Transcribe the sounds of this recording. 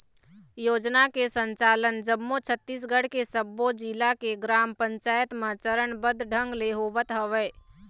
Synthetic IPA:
joːd͡ʒnakesə̃ɲt͡ʃaːlənd͡ʒəmːot͡ʃʰət̪ːiːs̬ɡəɽ̤kesəbːod͡ʒiːlakeɡɾaːmpə̃ɲt͡ʃaːjət̪mẽt͡ʃəɾəɳbəd̪ʱɖʱə̃ŋɡleɦoːʋət̪ɦəʋeː

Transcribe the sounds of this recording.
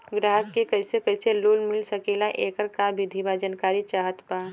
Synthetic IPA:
ɡɾaːɦəkkekɐɦsekəɪseloːlmɪlsɐkeːlaʔeːkəɾkabʱɪd̪ʱibad͡ʒənkaːɾit͡ʃaːɦət̪paː

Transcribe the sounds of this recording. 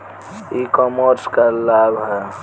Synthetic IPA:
ikɔmoɾskəlabɦɛ

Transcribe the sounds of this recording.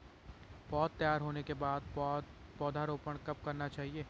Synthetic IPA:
pɔːt̪ːɐjaːɾɦoːnekebaːd̪̚pɔːd̪ʱaɾoːpəɽ̃kɐpkɐɾnat͡ʃaːɦieː

